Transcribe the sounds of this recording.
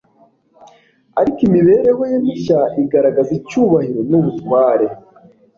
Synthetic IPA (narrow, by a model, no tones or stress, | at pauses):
a̰ɾikimiβe̞ɾe̞wojemiɕaʔiɡaɾaɡazicuːβahiɾenuβutwaːɾe